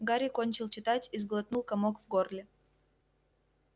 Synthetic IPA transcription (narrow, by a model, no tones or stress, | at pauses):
ɡaɾʲɪkonʲt͡ɕɪlˠt͡ɕɪt̪atʲizɡlˠɐt̪nulˠkɐmokvɡorlʲɪ